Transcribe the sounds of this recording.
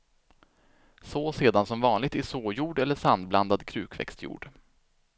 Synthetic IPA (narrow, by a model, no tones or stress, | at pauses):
soseːd̪ansɔmvɑːnlɪɡ̚t̪ɪʂoːjuːɖɛlːəʂand̪bland̪ad̪kʰɾʉ̟ːkʰvɛ̰kst̪jṵːɖ̥